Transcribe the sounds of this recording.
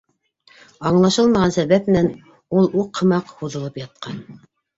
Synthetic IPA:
ɑɴlˠɑʃɤlˠmɑʁɑnsæβæpnæn | ulˠuqʰːɤ̆mɑqhuðɤ̆lˠɤpjɑt̪̚qɑn

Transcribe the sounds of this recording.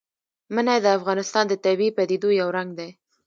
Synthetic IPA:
mənajd̪əafɣɑnɪst̪ɑnd̪ət̪abiipad̪ed̪ojawɾaŋɡd̪aj

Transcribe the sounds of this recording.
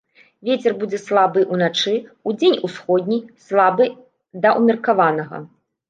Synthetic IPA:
vʲet͡sʲɛrbud͡zʲɛslˠabɨʔunat͡ʂɨud͡zʲenʲusxɔd̪ʲnʲislˠabɨ | d̪ɐʔumʲɛrkavanɐɣɐ̰

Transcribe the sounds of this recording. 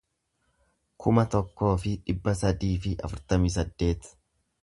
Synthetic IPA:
kʰʊmɐt̪ɔkːo̞ːfɪᶑɪbːɐsɐd̪iːfɪɐ̰fʊɾt̪ɐmiːs̬ɐd̪ːe̞ːt̪

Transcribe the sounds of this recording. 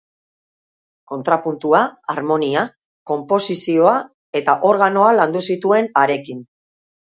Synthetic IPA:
ko̞nt̪ɾapunt̪uaaɾmo̞nia | ko̞mpo̞sisio̞a | e̞t̪aʔo̞ɾɣano̞aland̪usit̪ue̞naɾe̞kin

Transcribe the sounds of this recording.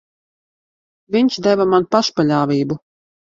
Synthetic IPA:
vʲiɲʲʃd̪ɛvamanpaʃpalʲaːvʲiːbu

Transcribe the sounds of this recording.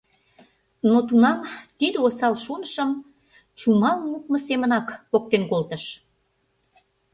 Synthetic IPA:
not̪unɑmt̪id̪eosɑlʃonəʃəm | t͡ɕumɑlmuk̚məsemənɑkpok̚t̪enkolt̪əʃ

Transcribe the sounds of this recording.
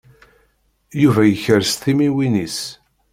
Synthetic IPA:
juvæjəçəɾsθimiwinis

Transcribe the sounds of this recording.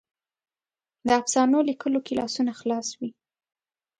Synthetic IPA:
d̪əafsɑnolikəlokilɑ̰sunaxlɑswi

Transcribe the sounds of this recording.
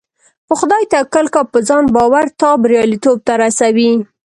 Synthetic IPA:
pəxʊd̪ɑjt̪akəlkapəzɑnbɑwaɾt̪ɑbɾjɑlit̪ob̚t̪aɾasawi

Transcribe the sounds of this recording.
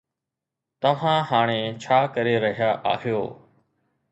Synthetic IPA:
t̪ɐʋ̤ãːɦaːɽ̃eːt͡ʃʰaːkəɾeːɾəɦɪjaːʔa̰ːɦɪjoː

